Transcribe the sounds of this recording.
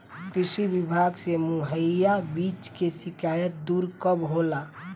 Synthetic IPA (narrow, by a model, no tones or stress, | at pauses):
kɾisibibʱaɡsemuɦəjabit͡ʃkesikajət̪̚d̪uɾkəbɦola